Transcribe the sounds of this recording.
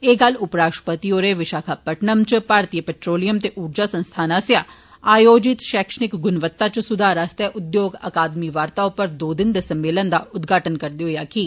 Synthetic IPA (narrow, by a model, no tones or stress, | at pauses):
eːɡɐlʊpɾaːʂʈəpət̪ioːɾeʋɪʃaːkʰapɐʈnəmt͡ʃpaːɾt̪ijəpɛʈɾoːlijəmt̪eʔuːɾd͡ʒaːsə̃nst̪ʰaːnãsjaː | aːjoːd͡ʒɪt̪ʃɛːkʃənɪkɡʊnʋət̪ːat͡ʃsʊd̪ʱaːɾast̪ɛʔʊd̪joːɡɐ̰kaːd̪miʋaːɾt̪aːõpəɾd̪oːd̪ɪnd̪esɐmːeːlənd̪aʊd̪ɡʱaːʈənkɐɾd̪eɦojaːkiː